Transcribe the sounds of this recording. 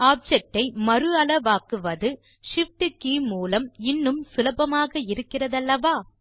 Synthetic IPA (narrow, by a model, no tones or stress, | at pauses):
aːb̚d͡ʒɛk̚ʈːɐɪmɐɾɯɐlɐʋaːkɯʋɐðɯ | ʂɪfʈɯkiːmuːlɐmɪnːɯmsʊlɐbɐmaːɣɐɪɾɯkːɪrɐðɐlːɐʋaː